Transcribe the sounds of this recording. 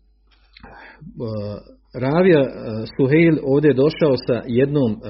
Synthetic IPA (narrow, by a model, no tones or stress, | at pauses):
ɾaːʋijasuɦejlʲo̞ːʋd̪ejd̪o̞ʃaosaje̞d̪noːm